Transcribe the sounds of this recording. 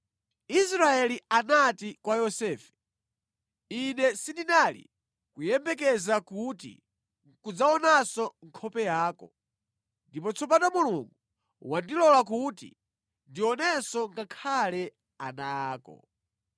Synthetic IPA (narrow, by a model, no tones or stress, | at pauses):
isɾaɛlianatikwajɔsɛːfɛ̥ | inɛsindinalḭ | kujɛmbɛk̬ɛzakutḭ | kud͡zaɔnasɔŋkʰɔpɛjaːkɔ | ndipɔt͡sʰɔp̬atamuluŋɡu | wandilɔlak̬utḭ | ndiɔnɛsɔŋɡakʰalɛ | anaːkɔ̰